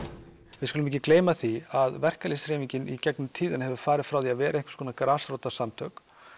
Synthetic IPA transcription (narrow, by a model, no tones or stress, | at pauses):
vɪðskʏlmɛcɪkleːjmaθiaðvɛr̥kalisɾeːmiɲcɪnicɛknʏmt̪ʰiːðɪnhɛvʏɾfaːɾɪðfɾawiaðvɛːɾaeŋkɪ̥skoɔnakɾaːsɾowt̪asamt̪ʰœk